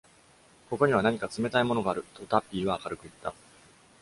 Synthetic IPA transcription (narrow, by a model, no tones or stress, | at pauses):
ko̞ko̞ɲ̟iβ̞anaɲ̟ikat͡sɨme̞t̪aimo̞no̞ɡaːɾɯ̟t̪o̞t̪apʲːiːβaːkaɾɯ̟kɯ̟it̪ːa